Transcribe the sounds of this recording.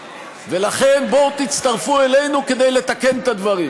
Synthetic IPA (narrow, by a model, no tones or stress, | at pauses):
ve̞laχe̞nbo̞t̪it͡st̪aʁfuele̞jnuke̞d̪ejle̞t̪ake̞nt̪ad̪vaʁim